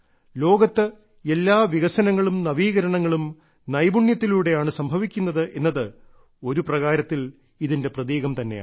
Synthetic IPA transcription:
lo̞ːɡɐt̪ːɨ | e̞lːaːʋiɣɐsɐnɐŋːɐɭumnɐʋiːɣɐɾɐɳɐŋːɐɭum | nɐjbuɳjɐt̪ːiluːɽe̞jaːɳɨsɐmbʱɐʋikʲːunːɐðɨʔe̞nːɐðɨ | o̞ɾuprɐɣaːɾɐt̪ːil | iðinde̞prɐðiːɣɐmt̪ɐnːe̞ja̰ː

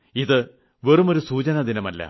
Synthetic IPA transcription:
iðɨ | ʋe̞rumo̞ɾusuːt͡ɕɐnɐd̪inɐmɐlːɐ̰

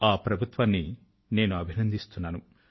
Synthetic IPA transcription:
aːpɾɐbʱut̪ʋɐnːi | ne̞ːnuɐbʱinɐnd̪ʱist̪unːaːnu

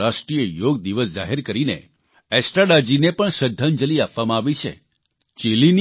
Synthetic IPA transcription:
aʃʈɾijəjoɡd̪iʋəsd͡ʒa̰ɦeɾkəɾinḛ | ɛsʈaɖad͡ʒinepəɳʃəd̪ʱːand͡ʒəliapʋamãaʋit͡ʃʰḛ | t͡ʃelin

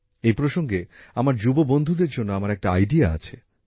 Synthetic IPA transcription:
ejpɾoʃoŋɡeamaɾd͡ʑubobond̪ʱud̪eɾd͡ʑonːoamaɾɛk̚ʈaajɖiaa̰t͡ɕʰe

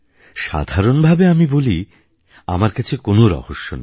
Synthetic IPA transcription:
ʃa̰d̪ʱaɾonbʱabeamiboli | a̰maɾkat͡ɕʰekonoɾɔ̰hoʃːo̰n

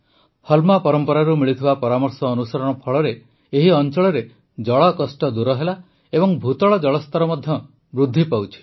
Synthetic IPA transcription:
hɔlmapɔɾɔmpɔɾaɾumiɭit̪ʰibapɔɾamɔɾsɔːnusaɾɔɽ̃ɔpʰɔɭɔɾeː | ɦiɔnt͡ʃɔɭɔɾe | d͡ʒɔɭɔkɔsʈɔd̪uɾɔɦela | ebɔŋbʱut̪ɔɭɔd͡ʒɔɭɔst̪ɔɾɔmɔd̪ʱjɔ | bɾud̪ʱːipawt͡ʃʰi̥

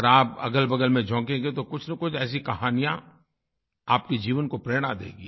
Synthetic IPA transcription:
əɾaːpɐ̰ɡəlbɐɡəlmẽd͡ʒʱɔ̃ːkẽːŋɡet̪okʊt͡ʃʰnɐkʊt͡ʃʰɛːs̬ikɐɦaːnijã̰ | aːp̚ked͡ʒiːʋənkopɾeːɽ̃ad̪ḛːɡi

